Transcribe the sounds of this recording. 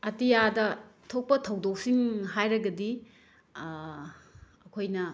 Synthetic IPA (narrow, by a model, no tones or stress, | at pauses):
ɐtijadɐtʰok̚pɐtʰɐwdok̚siŋɦajɾɐɡɐdi | ɐkʰojnɐ